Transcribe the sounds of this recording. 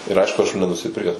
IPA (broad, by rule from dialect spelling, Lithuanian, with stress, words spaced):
ɪr ˈɐɪʃkʊ ɐʃ juː nʲɛnʊsʲɪˈpʲɪrʲkʲɛs